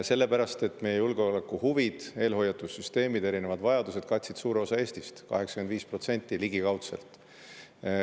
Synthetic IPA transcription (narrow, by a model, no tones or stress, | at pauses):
se̞lːe̞pæɾɑst̪e̞t̪ːˑmejejulɡ̥eolekːuhuvid̪̥e̞ːlɦo̞jːɑt̪ːˑussyst̪e̞ːmid̪̥e̞ɾine̞vɑd̪̥vɑjɑd̪use̞d̪̥kɑt̪ʲsid̥̪suːɾe̞o̞sɑe̞ːst̪ist̪kɑ̰ɦe̞ksɑ̥kyend̪viːspro̞t̪se̞nʲt̪ˑːiliɡ̥ikɑwt̪se̞̰lt̪ˑ